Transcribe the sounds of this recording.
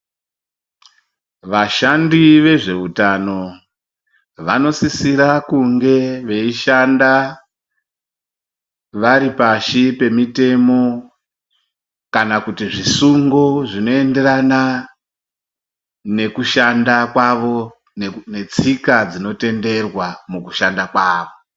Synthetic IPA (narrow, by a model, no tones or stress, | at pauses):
ʋaʃandiʋe̞ʐe̞utano̞ | ʋano̞sisiɾakuŋɡe̞ʋe̞iʃanda | ʋaɾipaʃipe̞mite̞mo̞ | kanakutiʐisuŋɡoʐino̞e̞nde̞ɾana | ne̞kuʃandakwaʋo̞ | nne̞t͡sikad͡zino̞te̞nde̞rwamukuʃandakwaːʋo̞